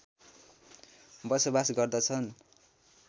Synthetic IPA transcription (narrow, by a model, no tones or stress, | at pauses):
bʌsʌbasɡʌrd̪ʌt͡sʰʌn